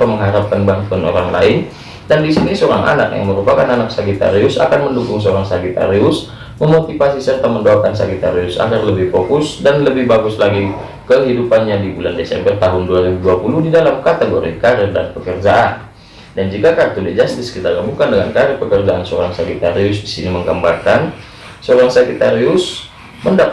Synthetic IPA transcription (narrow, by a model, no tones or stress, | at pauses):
aməŋɦaɾap̚kanbaŋt̪uano̰ɾaŋlaɪn | dandisinisəoɾaŋʔa̰na̰kja̰ŋməɾupakananaksaɡit̪a̰ɾiʊsa̰kanməndukʊŋsəoɾaŋsaɡit̪a̰ɾiʊs | məmot̪ifasisərt̪aməndaakansaɡit̪a̰ɾiʊsa̰ɡarləbɪhfokʊsdanləbɪhbaɡʊslaɡi | kəɦidupanɲadibulandesɛ̰mbərt̪aɦʊnduaɾibuduapuluhdidalamkat̪eɡoɾikaɾɛrda̰npəkərd͡ʒaʔan | dand͡ʒikakart̪ulɛd͡ʒast̪ɪskit̪aɡamukandəŋankaɾɪrpəkərd͡ʒaʔansəoɾaŋsakit̪aɾiʊsdisiniməŋɡambakan | səoɾaŋsakit̪aɾiʊs | mənda